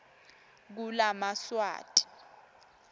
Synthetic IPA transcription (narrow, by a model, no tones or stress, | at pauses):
k̬ulamaswa̰ːtʼi̥